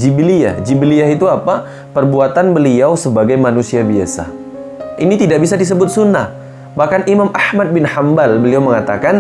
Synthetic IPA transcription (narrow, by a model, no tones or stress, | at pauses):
d͡ʒiblia̰hd͡ʒibəliaɦit̪uapa | pərbuat̪anbəliawsəbaɡajmanusiabia̰sa̰ | ʔinit̪idaʔbis̬adis̬əbʊt̪̚sunːah | bahkanimamʔahmat̪̚bɪnhambalbəliawməŋat̪akan